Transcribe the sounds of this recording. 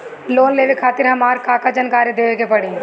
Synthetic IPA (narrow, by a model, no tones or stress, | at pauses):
loːnleːʋekʰaːt̪ɪɾɦɐmaːɾkaːkad͡ʒənkaːɾjəd̪eːʋekepɐɽĩː